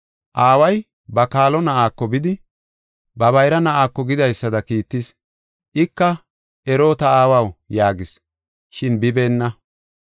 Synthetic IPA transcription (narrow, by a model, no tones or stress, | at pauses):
ʔaːwɐj | bɐkaːlɔnɐʔaːkːɔbɪd̪ɪ | bɐβɐjɾɐnɐʔaːkːɔɡɪd̪ɐjsːɐd̪ɐkiːt̪ːɪs | ʔɪkːɐ | ɛɾo̞ːt̪ɐaːwɐwjaːɡɪs | ʃɪnbɪbe̞ːnːɐ